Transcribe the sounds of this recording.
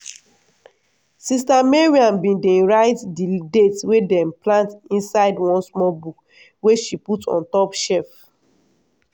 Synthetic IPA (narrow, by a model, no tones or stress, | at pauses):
sistameɹiãnbĩndẽɹaɪtdidetswedɛ̃mplãntĩnsaɪdwɔ̃nsmɔlbuk | weʃiputɔ̰̃ntɔpʃɛf